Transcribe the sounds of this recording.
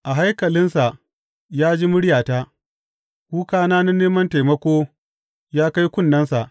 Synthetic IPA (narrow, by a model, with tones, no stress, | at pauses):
ʔa˨ɦa˦jkɐ˨lɪ˦nsa˨ | jaː˦d͡ʒi˦mʊ˦ɽɪ˦jaː˨taː˦ | kʷuː˦kaː˦naː˦na˦nːeː˦mɐ˦nta˨mɐ˦kʷoː˦ | jaː˦ka˦jkʷʊ˦nːɐ˦nsa˨ʔ